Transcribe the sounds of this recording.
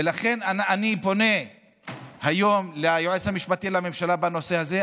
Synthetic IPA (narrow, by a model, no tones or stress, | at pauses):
elaχe̞naanipo̞ne̞ | hajo̞mleajoʕet͡shamiʃpat̪ilame̞mʃalabano̞se̞haze